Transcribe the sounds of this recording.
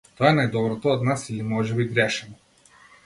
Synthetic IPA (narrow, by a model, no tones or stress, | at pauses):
t̪ɔɛnajd̪ɔbɾɔt̪ɔːd̪nasilimɔʒɛbiɡɾɛʃɛnɔ